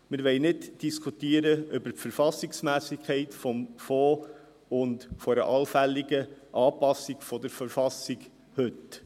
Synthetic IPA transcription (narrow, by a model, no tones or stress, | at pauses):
mɪɾʋɛɪnɪdd̥iskʰutiəɾəʔʏbəɾtfəɾfɑsɪksmæːsɪkʰɛɪtfɔmfɔː | ʊndfɔɾəʔɑlfælːɪɡəʔɑːpɑsɪɡ̥fɔdəɾfəɾfɑsɪɡ | hʏt